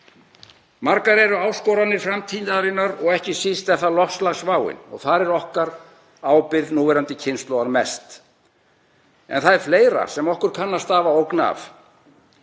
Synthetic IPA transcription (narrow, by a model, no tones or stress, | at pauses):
maɾkaɾɛɾʏaːwskɔwɾanɪɾ̥fɾamt̪ʰiːnaɾɪnːaɾɔɣɛhcɪsist̪ɛv̥θalɔhslaɣsvaːwɪ̰nɔ̰ɣθaɾɛɾɔhkaɾ | aːwpɪðnuːvɛɾant̪ɪcʰɪnst̪lowɣaɾmɛst̪ | ɛ̰nθaðɛɾ̥fleːjɾa̰sɛmɔhkʏɾ̥kʰanːast̪aːvaowkna̰f